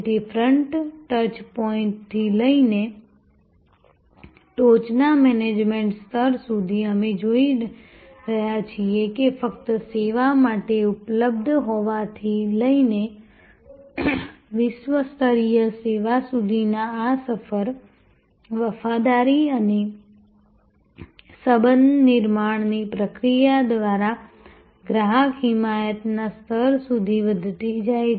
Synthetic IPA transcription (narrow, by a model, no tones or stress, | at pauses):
ʈifʰɾəɳʈʈəɾt͡ʃpɔɪ̃ɳʈt̪ʰːiləine | ʈot͡ʃnamɛned͡ʒmẽɳʈst̪ʰəɾsud̪ʱiəmed͡ʒoi | ɾəɦjat͡ʃʰiekefəkt̪əseʋamaʈeʊpləb̚d̪ʱɦoʋat̪ʰiləine | ʋɪʃʋəst̪ʰəɾijəseʋasud̪ʱinaːsəfəɾ | ʋəfad̪aɾiəne | səbənnɪɾmaɳnipɾəkɾijad̪ʋaɾa | ɡɾaɦakɦɪmajət̪nast̪ʰəɾsud̪ʱiʋəd̪ʱt̪id͡ʒa